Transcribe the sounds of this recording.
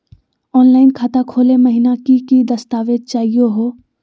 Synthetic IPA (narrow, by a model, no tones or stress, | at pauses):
ɔːnlaːɪnkʰat̪akʰoːleməɦɪnakikid̪ɐst̪aːʋed̪̚t͡ʃaːɦijoɦoː